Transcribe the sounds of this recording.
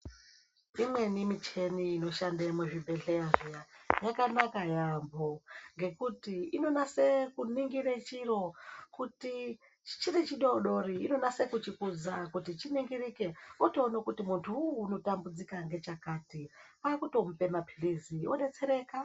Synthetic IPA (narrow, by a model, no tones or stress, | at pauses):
imwe̞nimit͡ʃe̞niːno̞ʃandamweʐibʱe̞ɮerijajakanakajambo̞ŋɡe̞kutiino̞nase̞kuniŋɡiɾet͡ʃiro̞kuti | t͡ʃirit͡ʃiɗo̞ɗo̞riino̞nase̞kut͡ʃikud͡zakutit͡ʃiniŋɡirikeuto̞ːnakutimuntʰuuːno̞tambud͡zikaŋɡe̞t͡ʃakaːti | akuto̞m̩pe̞mapʰi̥rizioɗe̞t͡se̞ɾe̞ːka